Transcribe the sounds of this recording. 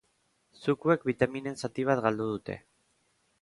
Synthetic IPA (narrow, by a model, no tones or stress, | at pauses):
sukue̞kbit̪amine̞nsat̪iβ̞at̪ɡald̪uð̞ut̪e̞̰